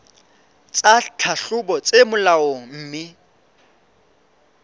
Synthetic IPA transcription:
t͡sʼat͡ɬʰaɬʊbɔt͡sʼemʊlaɔm̩ːmɪ

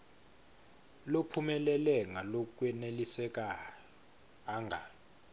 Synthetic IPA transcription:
lopʰumɛlɛlɛŋalok̬ʼwɛnelisɛk̬ʼa | ŋɡʱa̰

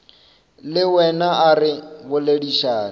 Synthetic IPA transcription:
lɪwɛnaaɾɪβʊleɺiʃaːn

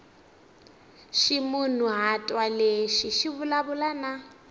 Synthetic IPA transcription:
ʃimun̤uɦatʼwaleʃiʃiβulaβulana

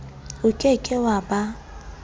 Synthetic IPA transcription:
ʊkʼɛkʼɛwaba

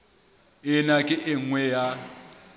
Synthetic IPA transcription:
ɪnakʼɪʔɪŋwɛja

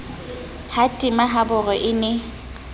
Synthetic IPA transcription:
hatʼɪmaɦabʊrɔʔɪnɪ

